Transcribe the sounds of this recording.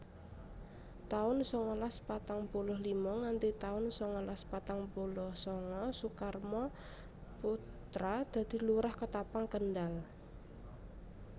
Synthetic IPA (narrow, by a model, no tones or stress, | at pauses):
t̪aʊnsɔŋɔlaspat̪aŋbolɔhlimɔŋant̪it̪aʊnsɔŋɔlaspat̪aŋbolɔhsɔŋɔsukarmɔ | pu | t̪ɾad̪̥a̤d̪̥i̤luɾahkət̪apaŋkənɖal